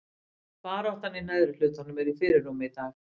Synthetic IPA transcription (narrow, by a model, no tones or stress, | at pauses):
paːɾɔht̪anːinaðɾɪlʏːt̪hanːʏmɛɾifɪːɾɪɾːuːmɪiθaːɣ